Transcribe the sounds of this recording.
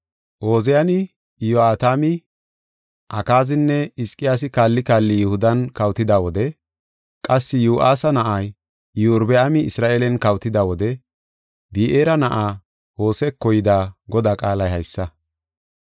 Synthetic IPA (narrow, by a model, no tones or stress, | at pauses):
ʔo̞ːzɛjɐnɪ | joaːt̪aːmɪ | ʔɐkaːzɪnːɛɪskʼːɪjaːs̬ɪkaːlːɪkaːlːɪjʊhʊd̪ɐnkɐwt̪ɪd̪aːwɔd̪ɛ | kʼɐsːɪjuːʔaːsɐnɐʔɐj | juɾbɛɐmɪɪsɾaːʔeːlɛnkɐwt̪ɪd̪aːwɔd̪ɛ | biːʔeːɾɐnɐʔaː | ho̞ːsɛkːɔjɪd̪aːɡɔd̪aːkʼaːlɐjhɐjsːɐ